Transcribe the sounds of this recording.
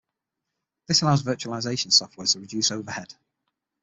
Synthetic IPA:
ðɪsəlaʊzvɜˑt͡ʃuəlɪzeɪʃə̃nsɒft̚wɛːtʰəpɹədd͡ʒʉˑsoʊvəhɛd̥

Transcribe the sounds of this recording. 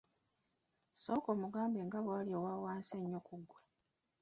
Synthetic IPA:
so̞ːko̞ːmuɡaːmbeːŋɡaβwaːljowaːwaːnseɲːokuɡːwe

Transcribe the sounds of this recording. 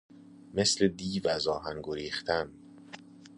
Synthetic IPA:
me̞sle̞d̪iːvæzɒːɦæŋɡoɾiːχt̪ʰæn

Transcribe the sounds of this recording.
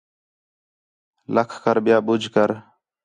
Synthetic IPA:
ləkʰkəɾɓɪjaːɓʊd͡ʒʱkəɾ

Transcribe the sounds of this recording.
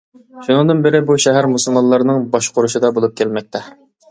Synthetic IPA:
ʃunɨŋd̪ɨnbɪɾɪbuʃɛɦæɾmusulˠmɑnlːˠɑɾnɨŋbɑʃqʰʊɾuʃɨd̪ɑbolˠup̚kʲʰælmɛk̚ʲt̪ʰɛ

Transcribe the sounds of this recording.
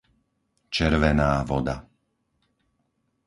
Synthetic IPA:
t͡ʃɛɾʋɛnaːʋɔd̪a

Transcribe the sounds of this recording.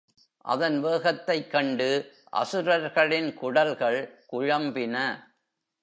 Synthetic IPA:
ʔɐ̰ðɐnʋeːɣɐt̪ːɐɪkːɐɳɖɯ | ʔɐ̰sɯɾɐɾɣɐɭɪnkʊɽɐlɣɐɭkʊɻɐmbɪnɐ

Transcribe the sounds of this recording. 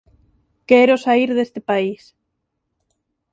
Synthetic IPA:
keɾosaiɾðest̪epais

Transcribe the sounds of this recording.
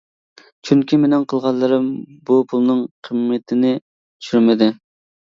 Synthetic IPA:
t͡ʃʰyŋkʲimenɪŋqʰəlˠʁɑlˠːɨɾɨmbupʰulˠnɨŋqʰəmːɪt̪ʰɪnɪ | t̪ʰy̥ʃyɾmɪd̪ɪ

